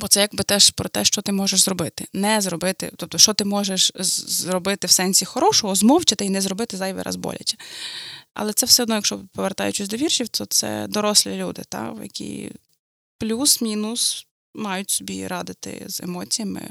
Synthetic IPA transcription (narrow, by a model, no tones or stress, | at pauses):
bɔt̪sɛjɐɡ̚bɪt̪ɛʃpɾɔt̪ɛʃt͡ʃɔt̪ɪmɔʒeʃzɾɔbɪt̪ɪnɛzɾɔbɪt̪ɪ̰t̪ɔp̚t̪ɔʃt͡ʃɔt̪ɪmɔʒeʃzɾɔbɪt̪ɪwsɛnʲsʲixɔɾɔʃɔɦɔzmɔwt͡ʃɪt̪ɪinɛzɾɔbɪt̪ɪzɑjʋɛ̰ɾɑ̰zbɔ̰lʲɐ̰t͡ʃʲɛ̥ | ɐ̰lˠɛt̪sɛwsʲɛɔd̪nɔjɐkʃt͡ʃɔpɔʋert̪ɑ̰jʊt͡ʃʊsʲd̪ɔʋʲirʃʲiwt̪ʰɔt̪sɛ̰d̪ɔɾɔsʲlʲilʲud̪ɪ̰t̪ɑ̰wjɐ̰kʲḭ | plʲusmʲinʊs | mɑjʊtʲsʲɔbʲḭɾɑd̪ɪt̪ɪ̰zḛmɔt͡sʲijɐmɪ̰